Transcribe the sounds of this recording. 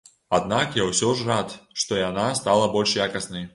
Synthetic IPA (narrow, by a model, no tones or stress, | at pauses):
ad̪̚nakjawsʲɔʐrat̪ʂt̪ɔjanast̪alˠɐbɔlʲʂjakɐsnɐj